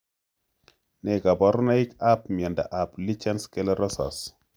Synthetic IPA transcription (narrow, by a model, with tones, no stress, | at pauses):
nɛ˨ka˨bɔ˨ɾɔ˦na˦i˦ka˦p̚mi˨ɛ˨nda̰˨ʔa˨pli˦t͡ʃɛ˦nskɛ˦lɛ˦ɾɔ˦sɔ̰˨s